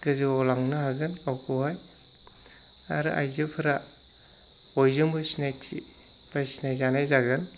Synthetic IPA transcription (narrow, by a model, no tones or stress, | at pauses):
ɡɯziɔlaŋnaɦaɡɯnawkʰuɦaj | a̰ɾɯ̰ʔa̰jzɯpʰɯɾa | ojzɯŋbɯsinajtʰḭ | b̥asinajzanajzaɡɯn